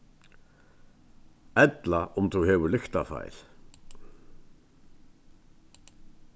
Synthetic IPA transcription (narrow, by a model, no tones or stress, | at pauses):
ɛt̪laʔʊmθuhɛːʋʏɾlʏxt̪afa̰jɾ̥